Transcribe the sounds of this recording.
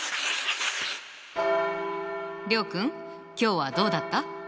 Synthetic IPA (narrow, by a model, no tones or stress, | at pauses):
ɾʲo̞ːkɯ̟̃ŋ | kʲo̞ːβad̪o̞ːd̪at̪ːa